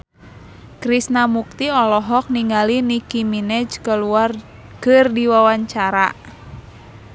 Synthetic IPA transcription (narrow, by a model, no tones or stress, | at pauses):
kɾisnamuk̚t̪iɔlɔɦɔk̚niŋalinikiminɛd͡ʒkəluar | kɨrdiwawaɲt͡ʃaɾa